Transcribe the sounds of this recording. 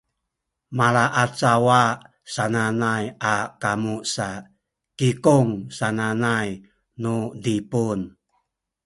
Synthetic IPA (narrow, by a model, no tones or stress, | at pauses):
malaʔat͡sawa | sananajakamusa | kikuŋsananaj | nudipun